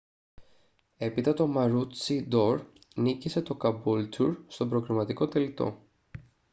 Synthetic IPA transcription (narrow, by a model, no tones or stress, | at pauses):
e̞pit̪ɐt̪o̞mɐɾut͡sid̪o̞ɾ | nicise̞t̪o̞kɐbult̪uɾst̪o̞bɾo̞ɣɾimɐt̪iko̞t̪e̞lit̪o̞̰